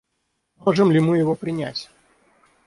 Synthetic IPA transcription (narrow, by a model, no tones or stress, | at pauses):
moʐɨmlʲɪmɨjɪvopɾʲɪnʲæ̰tʲ